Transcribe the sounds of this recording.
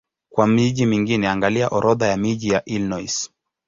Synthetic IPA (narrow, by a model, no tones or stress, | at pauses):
kwamiʄimiŋɡinɛaŋɡaliaʔɔɾɔðajamiʄijaʔilnɔjs